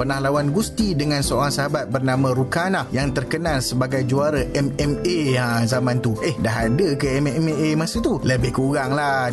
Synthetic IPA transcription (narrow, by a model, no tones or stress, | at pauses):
pərnahlawanɡust̪idəŋãnsəoɾaŋsaɦabat̪̚bərnãmãɾukanahjaŋt̪ərkənalsəbaɡajd͡ʒuaɾaʔɛmɛmeəzamãnt̪uʔehdaɦadəkəɛmmeʔemãsət̪uləbɪhkuɣaŋla